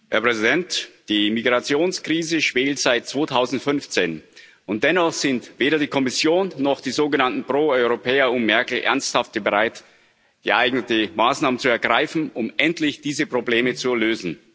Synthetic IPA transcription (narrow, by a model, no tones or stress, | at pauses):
hɛɐpʁ̥ɛzidɛntd̥iːmiɡʁat͡sjoːnskʁ̥iːzəʃv̥eːltz̥aɪt̚t͡sv̥oːtʰaʊzn̩tfʏnft͡seːn | ʊnt̚d̥ɛnɔχz̥ɪntv̥eːɾɐdiːkʰɔmɪsjoːnːɔχd̥iːzoːɡənantn̩pʁ̥oːɔʏʁopʰɛːɐʊmmɛɐkl̩ʔɛ̰ɐnsthaftəbəʁaɪt | ɡ̥əʔaɪɡnətəmaːsnaːmənt͡suɛɐɡʁaɪfn̩ʊmʔɛntlɪçd̥iːzəpʁ̥obleːmət͡suløːzn̩